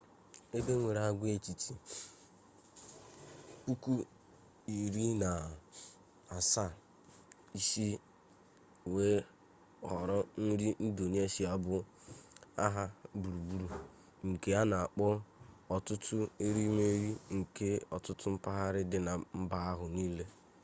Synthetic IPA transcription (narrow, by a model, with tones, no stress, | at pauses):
e˦be˦ŋʷe˨ɾa˨˦ɡʷe˦˨t͡ʃi˨ti˨ | ku˦ku˦ | i˨ɾi˦na˨ | a˨sa˦˨ | i˦si˦ | we˦ | ɔ˨ɾɔ˦n̩˦ɾi˦n̩˦do˨ni˦e˦ʃi˦a˦bʊ˨ | a̰˦ɦa˦bu˨ɾu˨bu˦ɾu˨ | ŋ̩˨ke˦a˦na˨a˨k͡pɔ˦ | ɔ˨tʊ˦tʰʊ˦e˦ɾi˦me˦ɾi˦ŋ̩˨ke˦ɔ˨tʊ˦tʊ˦m̩˦pa˦ɦa˦ɾɪ˦dɪ˨na˨m̩˦ba˦a˦ɦʊ˨niː˦le˦